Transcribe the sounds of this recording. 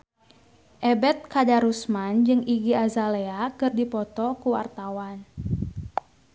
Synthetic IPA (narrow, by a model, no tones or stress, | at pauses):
ʔɛbɛt̪̚kadaɾusmand͡ʒɨŋiɡiazaleakərdipɔt̪ɔkuwa̰rt̪awan